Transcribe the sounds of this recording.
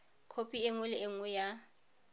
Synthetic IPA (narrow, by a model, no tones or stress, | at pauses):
kʰopʼieŋʊlɪʔeŋʊja